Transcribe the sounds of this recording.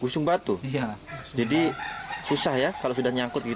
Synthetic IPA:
ɡusʊŋbat̪u | d͡ʒadi | susahjakalosudahɲaŋkʊt̪̚ɡi

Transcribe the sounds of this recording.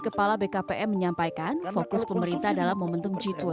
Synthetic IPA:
kəpalabekapeʔɛməɲampajkanfokʊspəməɾint̪adalahmomənt̪ʊŋd͡ʒit̪ɔ

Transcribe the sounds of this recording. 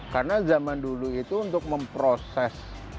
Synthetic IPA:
karnazamanduluit̪uːnt̪ʊk̚məmpɾosɛs

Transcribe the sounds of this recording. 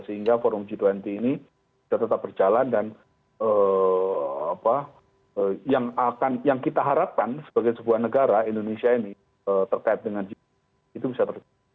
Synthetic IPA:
səɦiŋɡafɔɾʊmd͡ʒit̪wɛnt̪iːni | b̥isat̪ət̪ap̚bərd͡ʒalandan | əː | apa | əjaŋakanjaŋkit̪aɦaɾap̚kansə̥baɡajsəbuahnəɡaɾaindonesiaini | ət̪ərkaɪt̪̚dəŋand͡ʒi | it̪ubisat̪ərd͡ʒ

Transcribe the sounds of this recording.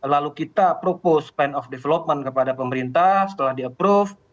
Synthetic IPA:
lalukit̪apɾopospɛnɔfdefelop̚mənkəpadapəməɾint̪ahsə̥t̪əlahdiəpɾuf

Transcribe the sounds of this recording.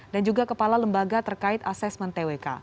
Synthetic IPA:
dand͡ʒuɡakəpalaləmbaɡat̪ərkaɪt̪asɛsmənt̪eweka̰

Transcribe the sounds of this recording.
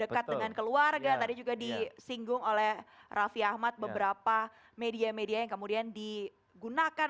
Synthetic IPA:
dəkat̪̚dəŋankəluarɡat̪adid͡ʒuɡadisiŋɡʊŋolɛhrʔafiahmat̪̚bəbəɾapa | mediamediajaŋkəmudiandi | ɡunakan

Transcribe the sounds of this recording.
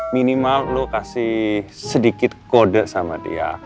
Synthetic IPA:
minimalːokasɪhsədikɪt̪̚kodaʔsamat̪ḭa̰

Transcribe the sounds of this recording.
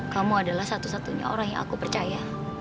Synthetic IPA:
kamuadalahsat̪usat̪uɲa̰o̰ɾaŋja̰ŋa̰kupərt͡ʃaja

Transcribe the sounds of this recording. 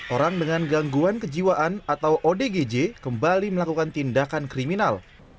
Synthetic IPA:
ʔoɾaŋdəŋanɡaŋɡuankəd͡ʒiwaʔanat̪awʔodeɡed͡ʒekəmbaliməlakukant̪indakankɾiminal

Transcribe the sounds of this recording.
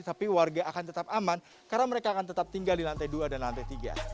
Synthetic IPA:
t̪apiwarɡaʔakant̪ət̪ap̚aman | kaɾnaməɾekaːkant̪ət̪ap̚t̪iŋɡaldilant̪ajduadanlant̪ajt̪iɡa̰

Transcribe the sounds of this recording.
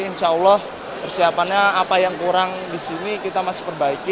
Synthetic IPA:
inʃaɔlːɔh | pərsiapanɲaːpajaŋkuɾaŋ | disinikit̪amasɪ̥pərbaikɪ

